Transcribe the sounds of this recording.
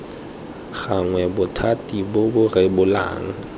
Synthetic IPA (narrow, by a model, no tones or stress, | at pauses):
ɣaŋwɛbʊtʰatʼibobʊrɪbʊla̰ːŋ̩